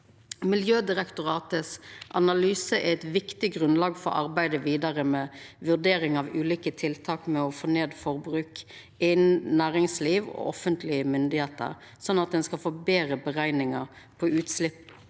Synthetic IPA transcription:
mɪljøːd̪ɪʁɛkt̪ʊʁɑːt̪əsʔɑnɑlyːsəʔææɪt̪ʋɪkt̪ɪɡʁʉnlɑːɡfɔ̰ɾʔɑ̰ʁbæɪd̪əʋiːd̪ɑʁəmɛʋʉd̪eːʁɪŋɑʋʉːliːkət̪ʰɪlt̪ʰɑːkmɛɔfoːneːd̪fɔʁbʁʉːk | ɪnnæːʁɪŋsliːʋɔ̰ːʔɔfənt̪ʰlɪəmʏnd̪ɪheːt̪ə̰ʁ | sɔnːɑt̪̚d̪ɛnskɑlfoːbeːʁəbəʁæɪnɪŋɑpʰɔʔʉːt̪slɪpː

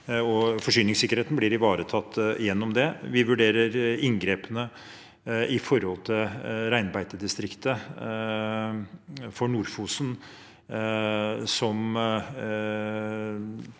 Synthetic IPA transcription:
ɔfɔʂyːnɪŋsɪkəɾheːt̪n̩blɪɾɪʋɑːɾət̪ʰɑt̪ːjɛnːɔmd̪ɛʋɪʋʉɖeːɾəɾɪŋɡɾeːpənə | ɪfɔɾhɔlt̪ʰɪlɾæɪnbæɪt̪əd̪ɪst̪ɾɪkt̪ə | fɔɳuːɾfuːsn | sɔm

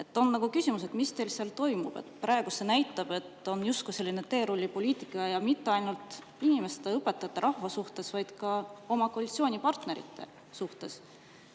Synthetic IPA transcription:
e̞t̪ːˑo̞nːɑɡ̥ukysʲimuse̞d̪mist̪e̞lseɑlt̪o̞jmṵb̥ḛt̪ːˑpɾʔɑe̞ɡ̥use̞næjt̪ːˑɑb̥e̞t̪ːˑo̞njust̪̚kuse̞lʲːine̞t̪e̞ːɾulʲːipo̞lʲiːt̪ˑikːˑɑjɑmit̪ˑːe̞ɑjnult̪ˑ | inime̞st̪e̞ɤpːˑe̞t̪ːˑɑt̪ːˑeɾʔɑhvɑsuht̪e̞svɑjd̪̥kɑo̞mɑko̞ɑlʲit̪sio̞ːnʲipɑrt̪ne̞ɾḭt̪ʰːˑe̞̰ | suht̪e̞s

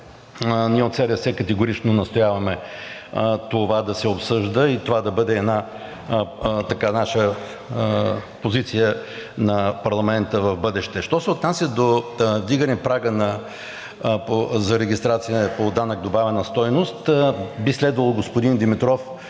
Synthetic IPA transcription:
niɛot̪sɛɾəsɛkɐt̪ɛɡʊɾit͡ʃnonɐst̪ojavɐmɛ | t̪ovad̪ɐsɛopsɤʒd̪əit̪ovad̪ɐbɤd̪ɛːd̪na | t̪ɐkanaʃə | pozit̪sijə | nɐpɐɾlˠɐmɛnt̪əvɐvbɤd̪ɛʃt̪ɛʃt̪ɔsɛot̪nasʲjəd̪ovd̪iɡənɛpɾaɡənɐ | pozɐɾɛɡʲist̪ɾat̪sijəpod̪anəɡ̚d̪obavɛnəst̪ɔjnost̪bislɛd̪vɐlˠɡospod̪ind̪imit̪ɾɔf

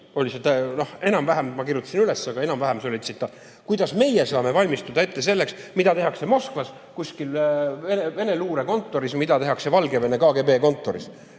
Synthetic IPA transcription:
o̞lʲiset̪enohe̞nɑmvæɦemmɑkirjut̪ːˑɑ̥sinylesːɑɡɑe̞nɑmvæɦemso̞lʲit̪sit̪ːˑɑ | kujd̪̥ɑsme̞jɛsɑːme̞vɑlʲmist̪ud̪ɑet̪ːe̞se̞lːe̞ksmid̥̪ɑt̪e̞ɦɑkse̞mo̞skvɑs | kusʲkilveneve̞ne̞luːɾeko̞nt̪ːˑo̞ɾismid̪̥ɑt̪e̞ɦɑkse̞vɑlɡe̞ve̞ne̞kɑːɡe̞ːbe̞ːko̞nt̪ːˑo̞ɾḭs

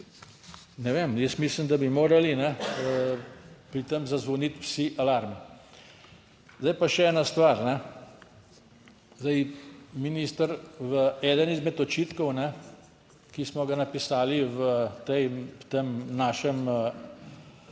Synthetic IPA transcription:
nɛʋemjəsmisləmd̪abimoːɾalinɛ | pɾit̪əmzazʋɔnit̪wsiʔalaɾmi | zd̪ajpaʃɛɛːnast̪ʋaɾnɛ | zd̪ajminist̪əɾʋəɛːd̪ənizmɛt̪ɔt͡ʃiːt̪kɔwnɛ | kismɔɡanapisaːliʋət̪ɛjt̪emnaːʃɛm

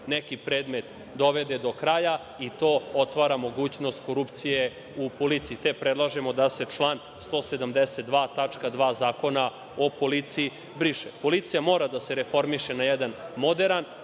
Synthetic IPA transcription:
nekipɾeːd̪met̪ | d̪o̞ʋed̪e̞d̪o̞kɾaja | it̪o̞ːot̪ʋaːɾamo̞ɡuːt͡ɕno̞st̪̚ko̞ɾupt̪sije | upo̞lit̪siit̪epɾed̪lˠaʒemo̞d̪ase̞t͡ʃlˠaːn | st̪o̞ːsed̪amd̪eset̪̚d̪ʋaːt̪at͡ʂkad̪ʋaːzaːko̞na | o̞po̞lit̪sii | bɾiʃepo̞lit̪sijamo̞ːɾad̪ase̞ɾefo̞ɾmiʃenajɛd̪anmo̞d̪eɾan

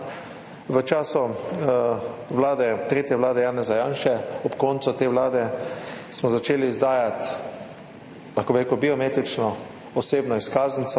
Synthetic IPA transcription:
ʋət͡ʃaːsɔ | ʋlaːd̪ɛt̪ɾeːt̪jɛʋlaːd̪ɛjaːnɛzajaːnʃɛɔpkɔnt̪sut̪eːʋlaːd̪ɛsmɔzat͡ʃeːliːzd̪aːjat̪ | laxkobɪɾeːkəbiɔmet̪it͡ʃnɔ | ɔseːbnɔiskaːznit̪sɔ

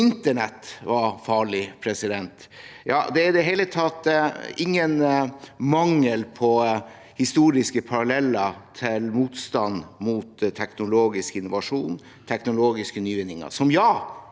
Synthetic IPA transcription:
ɪnt̪əɳɛt̪ʋɑɾfɑːɭɪpʰɾɛsɪd̪ɛnt̪ | jɑ̰ːd̪ɛæɪd̪ɛɦɛːlət̪ʰɑt̪ːɪŋːənmɑŋːəlpʰɔ | hɪst̪uːɾɪskəpʰɑɾɑlɛlːəɾt̪ʰɪlmuːt̪st̪ɑnmuːt̪t̪ʰːɛknʊloːɡɪskəɪnːʊʋɑʂuːn | t̪ʰɛknʊloːɡɪskənyːʋɪnɪŋɑ̰sɔmjɑː

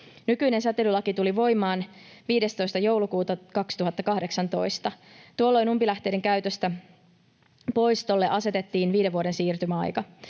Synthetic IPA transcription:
nykyine̞nsæt̪elylɑkit̪uliʋo̞jmɑːn | ʋiːde̞st̪o̞jst̪ɑjo̞wlukuːt̪ɑkɑkst̪uɦɑt̪ːɑkɑhde̞ksɑnt̪o̞̰jst̪ɑt̪uolːo̞jnumpilæht̪e̞ːde̞ŋkæyt̪ø̞st̪æ | po̞jst̪olːeʔɑse̞t̪e̞t̪ːiːnʋiːdeʋuoɾe̞nsiːrt̪ymæɑ̰jkɑ

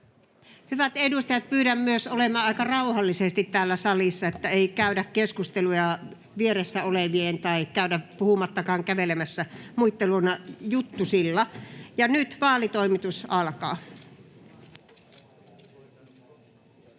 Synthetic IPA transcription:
hyʋæt̪edust̪ɑjɑt̪̚pyːɾæmmyøsolemɑːɑikɑrɑuhɑlːisest̪it̪tæːlːæsɑlisːɑet̪ːæeikæydækkeskust̪elujɑ | ʋieɾesːæoleʋient̪ɑikæyɾæpuhumɑt̪ːɑkɑːŋkæʋelemæsːæmuit̪ːelunɑjut̪ːusilːɑjɑnyt̪ʋɑːlit̪oimit̪usɑlkɑː

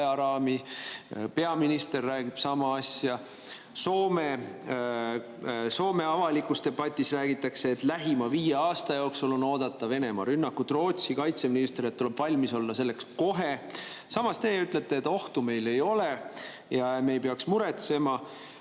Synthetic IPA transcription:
ɑɾɑːmi | pe̞ɑminist̪e̞rːæːɡ̥ib̥sɑmɑɑsʲjɑ | so̞ːme | so̞ːme̞ɑvɑlikˑust̪e̞bɑt̪ʲːˑisræːɡ̥it̪ːˑɑkse̞ːt̪læɦimɑviːjeɑːst̪ɑjo̞ksulo̞no̞ːd̪̥ɑt̪ːˑɑve̞ne̞mɑ̰ɾynːɑkːut̪ro̞ːt̪sikɑjt̪se̞minist̪e̞ɾet̪ːule̞b̥vɑlʲmiso̞lːɑse̞lːe̞ksko̞ɦe̞ | sɑmɑst̪e̞yt̪ˑle̞t̪ːˑeːt̪ːˑo̞ht̪ume̞jle̞jo̞le̞ | jɑeme̞jpeɑksmuɾe̞t̪se̞mɑ

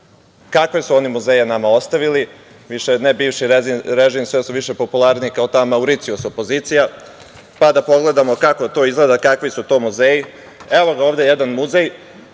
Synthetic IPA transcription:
kakʋesuo̞nimuzeːjenamao̞st̪aʋili | ʋiʃenebiːʋʃiɾeziɾeʒiːmsʋesuʋiʃe̞po̞pulˠaɾniikaot̪amauɾit̪siusopo̞ziːt̪sija | pad̪apo̞ɡle̞d̪amo̞kako̞t̪o̞ːizɡle̞d̪akakʋisut̪o̞ːmuzeːji | eʋo̞ɡaoːʋd̪e̞jed̪anmuzej

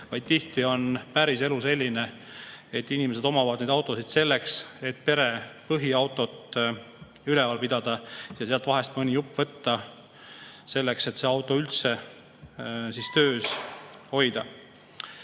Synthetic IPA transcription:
vɑjd̪̥̚t̪iht̪io̞npæɾiseluse̞lʲːine̞ | et̪ːinime̞s̬e̞d̪o̞mɑvɑd̪ned̪ɑwt̪ːˑo̞sid̪̥se̞lːe̞kse̞t̪̚ːpe̞ɾe̞pɤɦiɑwt̪ːˑo̞t̪ːˑ | ylɛvɑlpid̪̥ɑd̪̥ɑjɑseɑlt̪vɑɦe̞st̪mɤnʲijupːˑvɤt̪ːɑ | se̞lːe̞kse̞t̪seɑwt̪ːˑo̞ylt̪se̞ | sist̪ø̞ːsho̞jd̪̥ɑ

